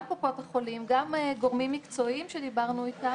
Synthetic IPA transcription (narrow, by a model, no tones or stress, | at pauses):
popot̪aχolimɡamɡo̞ʁmimːikt͡so̞imʃed̪ibaʁnuit̪a